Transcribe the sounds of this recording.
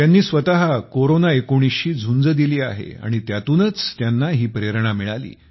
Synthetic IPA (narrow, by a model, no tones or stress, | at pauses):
t̪janːiːsʋət̪aɦakoɾonaekoɽ̃isɕiːd͡zʱund͡zəd̪iliːa̰ɦḛa̰ɽ̃it̪jat̪uːnət͡st̪janːaɦiːpɾeɾɳ̃amiɭalḭː